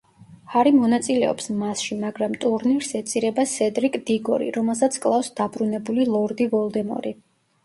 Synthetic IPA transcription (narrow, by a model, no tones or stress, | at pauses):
haɾimɔnat̪sʼilɛɔ̰psmasʃimaɡɾamt̪ʼuɾniɾsɛt̪sʼiɾɛbasɛd̪ɾikʼd̪̥iɡɔ̰ɾḭɾɔmɛlˠsat̪sʰkʼlˠafsd̪̥abɾunɛbulilˠɔɾd̪ivɔlˠd̪ɛmɔ̰ɾi